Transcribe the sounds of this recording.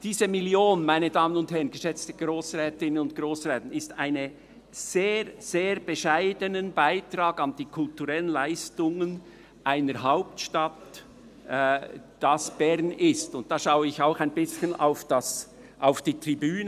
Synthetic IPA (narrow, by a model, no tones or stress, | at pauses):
d̥iːzəmiljoːnmaɪnədaːmənʊnthɛʁənɡ̥əʃɛt͡stəɡ̥ɾoːsrɛːtɪnənʊntɡ̥ɾoːsʁɛːtn̩ɪstaɪnə | z̥eːɾz̥eːɾb̥əʃaɪdənənbaɪtrɑːɡɑnd̥iːkʰʊltuʁɛlənlaɪstʊŋən | ʔaɪnəɾɦaʊp̚tʃtatː | d̥ɑsb̥ɛʁnɪstʊnt̚d̥ɑːʃaʊəɪçaʊxaɪnbɪsçəna̰ʊfd̥ɑs | ʔaʊfd̥iːtribyːnə